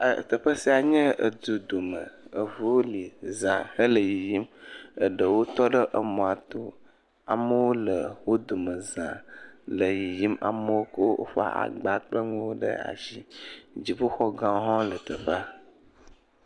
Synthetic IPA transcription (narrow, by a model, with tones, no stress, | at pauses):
ə˨t̪ə˨ɸə˦si˦a˨ɲə̃˦ʔə˨d̪u˨d̪o˨mə˨ə˨vo˦wo˦li˨zã˨hə˦lə˨ji˨ji˦mə˨ɖə˨wo˦t̪ɔ˦ɖə˦ʔə˨mɔ̃˨a˨t̪o˦ | a̰˨mə˦wo˦lə˨wo˦d̪o˨mə˨zã̰˨lə˨ji˨ji˦ma̰˨mə˦wo˦kə˦wo˦wʔo̰˦ɸa̰˦ʔa̰˨ɡ͡ba˨k͡pɔ˦ŋũ˦wo˦ɖə̰˦a̰˨ʃi˦d͡ʑi˨ɸu˦xɔ˦ɡã˦ɦɔ̃˦lə˨t̪ə˨ɸə˦